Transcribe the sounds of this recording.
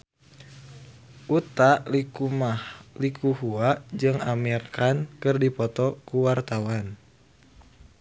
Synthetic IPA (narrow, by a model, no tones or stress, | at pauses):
ʔut̪aʔlikumahlikʰuhuad͡ʒɨŋamɛrkankɨrdipɔt̪ɔkuwart̪awan